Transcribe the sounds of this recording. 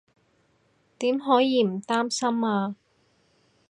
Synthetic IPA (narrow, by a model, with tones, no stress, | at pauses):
t̪iː˨˥mɦɔː˨˥jiː˨˧m̩˨˩t̪aː˥msɐ˥maː˧